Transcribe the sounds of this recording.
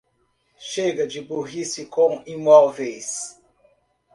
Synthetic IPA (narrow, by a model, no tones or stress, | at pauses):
ʃeɡɐd͡ʒiboɦisikõŋimwawves